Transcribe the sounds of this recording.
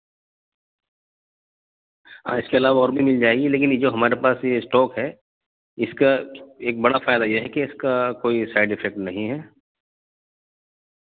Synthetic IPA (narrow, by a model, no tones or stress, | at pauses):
ã̰ːɪskeɐlaːʋaɔːɾbʱimɪld͡ʒaːeɡileːk̬ɪnd͡ʒoːɦɐmaːɾepaːsjesʈɔːkɦɛ | ɪskaeːk̚bɐɽafaːjd̪ajeɦɛkeɪskakoːisaːɪɖɪfʰɛk̚ʈnɐɦĩɦɛː